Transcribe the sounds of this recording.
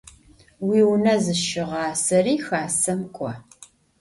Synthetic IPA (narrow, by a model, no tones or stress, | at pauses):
wiːwnɐzɨʃɪʁɑːsɐriːxaːsɐmkʷʼɔ